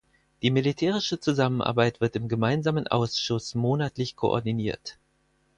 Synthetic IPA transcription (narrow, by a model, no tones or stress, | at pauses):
d̥iːmilitʰɛːʁ̞ɪʃət͡suzamənʔa̰ɐbaɪtv̥ɪɐtɪmɡəmaɪnzaːmənʔa̰ʊsʃʊsmoːnatlɪçkʰo̰ʔɔ̰ɐdiniːɐt